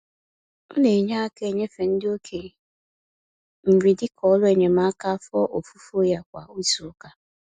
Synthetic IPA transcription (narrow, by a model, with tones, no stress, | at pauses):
ne˨ɲa˦ke˦˨ɲe˦fe˨n̩˦dɪ˦o˦kʰe˨ | m̩˨ɾi˨dɪ˦kʰɔ˦lʊ˦e˦˨ɲe˨ma˦a˦ka˦fɔ˦ʔo˨fu˦fo˦ja˦kʷa˨u˦su˨˦ka˦